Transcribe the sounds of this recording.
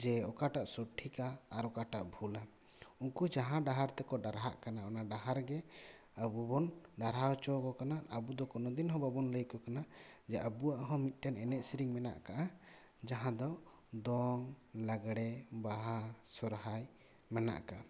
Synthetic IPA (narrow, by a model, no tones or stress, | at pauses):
d͡ʒɛɔkaʈaʔsɔʈʰːikaːɾɔkaʈaʔbʱula | uŋkud͡ʒaɦãɖaɦaɾt̪ɛkɔɖaɾɦaʔkanaɔnaɖaɦaɾɡɛ | əbubɔnɖaɾɦat͡ʃɔkɔkanaʔabud̪ɔkɔnɔd̪inɦɔ̃babɔnləjkɔkanad͡ʒɛʔabuaʔɦɔ̃mit̪̚ˀʈɛnɛnɛt̪̚siɾiŋmɛna̰ʔkaʔa | d͡ʒaɦãd̪ɔ | d̪ɔŋlaɡɽɛbaɦasɔɾɦaj | mɛna̰ʔka